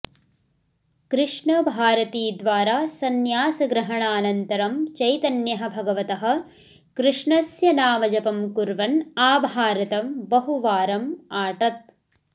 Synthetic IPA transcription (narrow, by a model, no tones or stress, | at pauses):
kɾɪʂɳɐbʱaːɾɐt̪iːd̪ʋaːɾaːsɐnjaːsɐɡɾɐɦɐɳaːnɐnt̪ɐɾɐmt͡ʃɐjt̪ɐnjɐɦɐ̆bʱɐɡɐʋɐt̪ɐɦɐ̆ | kɾɪʂɳɐsjɐnaːmɐd͡ʒɐpɐmkuɾʋɐnaːbʱaːɾɐt̪ɐmbɐɦuʋaːɾɐmaːʈɐt̪̚